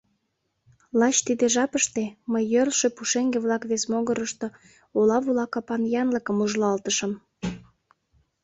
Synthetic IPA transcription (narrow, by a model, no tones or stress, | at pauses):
lɑt͡ɕt̪id̪eʒɑpəʃt̪eməjːølʃepuʃeŋɡeβlɑkβesmoɣəɾəʃt̪o | olɑβulɑkɑpɑnjɑnləkəmuʒlɑlt̪əʃəm